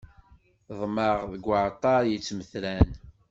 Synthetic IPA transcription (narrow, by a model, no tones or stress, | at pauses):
ðˤməʁðəɡʷːəʕt̪ˤːɑɾjət͡sːməθlæn